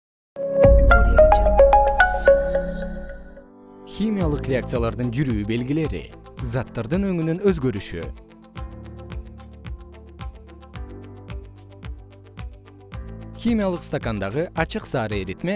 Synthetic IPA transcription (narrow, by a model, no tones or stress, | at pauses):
xʲimʲijalˠɯqrʲeak̚t̪sɨjalˠɑɾd̪ɯnd͡ʒyɾyːbe̞lɡʲile̞ɾḭ | zɑt̪ːɑɾd̪ɯnø̞ŋynynø̞zɡø̞ɾyʃy̰ | xʲimʲijalˠɯqst̪okand̪ɑʁɯʔɑt͡ʃɯqsɑːɾɯeɾit̪me